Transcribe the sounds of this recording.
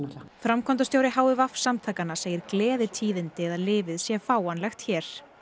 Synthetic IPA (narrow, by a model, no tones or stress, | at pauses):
fɾamkʰɔnt̪̬ast̪jowɾɪhaːwʏvafsamt̪ʰaːkanaseːjɪɾklɛːðɪt̪ʰiːðɪnt̪ɪɛðalɪːvɪðsjɛfaːwanlɛxt̪çɛːɾ̥